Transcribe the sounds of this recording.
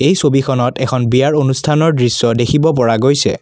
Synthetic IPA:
ejsobikʰɔnɔtɛkʰɔnbijaɹonustʰanɔɹdɹisːɔdekʰibɔp̬ɔɹaɡojsɛ̰

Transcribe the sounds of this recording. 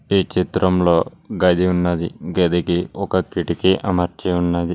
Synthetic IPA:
iːt͡ʃit̪ɾɐmlo̞ː | ɡɐd̪iunːɐd̪iɡed̪ikiɔkɐkiʈikiʔɐ̰mɐɾt͡ʃeunːɐd̪i

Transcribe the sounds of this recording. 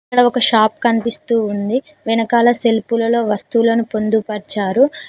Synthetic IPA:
kɐɽɐɔkɐʃaːpkɐnp̪ist̪uːnd̪i | ʋɛnɐkaːlɐse̞lpulɐlo̞ːʋɐst̪ulɐnupo̞nd̪upɐɾt͡ʃaːɾu

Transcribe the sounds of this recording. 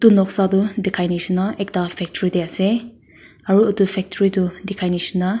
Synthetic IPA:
tunɔk̚sadudikʰajnisunːaʔek̚dapʰɛk̚tʰɔɾidease | ɐɾuutupʰɛk̚tʰɔɾidudikʰajnisinːa

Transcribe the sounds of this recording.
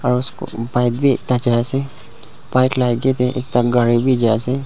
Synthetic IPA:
ɔːɾʊsko̰baɪd̪bʱiḛːk̚t̪ad͡ʒase | paɪʈlajɡet̪ʰeʔḛːk̚t̪aɡəɾibʱid͡ʒase

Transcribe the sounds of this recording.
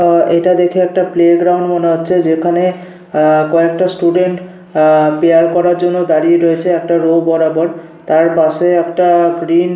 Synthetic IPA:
ejʈad̪ekʰeɛk̚ʈapleɡɾawɳɖmoneɦotːɕʰed͡ʑekʰane | kɔekʈasʈuɖeɳʈ | peaɾkɔɾaɾd͡ʑonːod̪aɾieɾojet͡ɕʰeɛkʈaɾobɔɾabɔɾ | t̪aɾpaʃeɛkʈaɡɾin

